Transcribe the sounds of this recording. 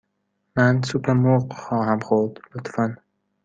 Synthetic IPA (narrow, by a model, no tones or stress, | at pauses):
mænsupʰeɾmuqxɒːhæmxoɾd̪̥lot̪fan